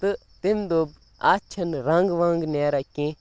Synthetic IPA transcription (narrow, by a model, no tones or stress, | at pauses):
t̪ɨt̪imd̪oːb̚ | a̰ːt͡ʃʰɐnɾãŋɡʋãːŋɡnaːɾakẽː